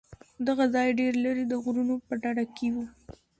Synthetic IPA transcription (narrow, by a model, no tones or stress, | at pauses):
d̪aɣazɑjɖeɾləɾid̪əɣɾunopəɖaɽakewu